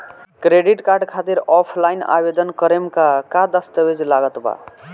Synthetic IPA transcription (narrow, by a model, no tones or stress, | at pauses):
kɾeɖiʈkaɾɖkʰat̪iɾɔpʰlajna̰bed̪ənkəɾemkakad̪əst̪əbed͡ʒlaɡət̪ba̰